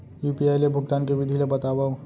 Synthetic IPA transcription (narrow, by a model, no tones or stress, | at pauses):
juːpiaːjlebʱʊɡt̪aːnkeʋɪd̪ʱilebɐt̪aːʋa